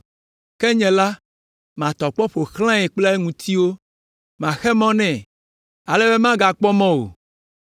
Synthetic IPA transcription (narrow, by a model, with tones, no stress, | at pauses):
kɛ˦ɲɛ̃˨la˦ | mã˨t̪ɔ˨k͡pɔ˦ɸo˨xlã˦ɛ˨k͡plɛ˦e˦ŋũ˨t̪ʰi˦wo˦ | mã˨xɛ˦mɔ̃˦nɛ̃˨ | a˨le˦be˦mã˦ɡa˨k͡pɔ˦mɔ̃˦wo̰˨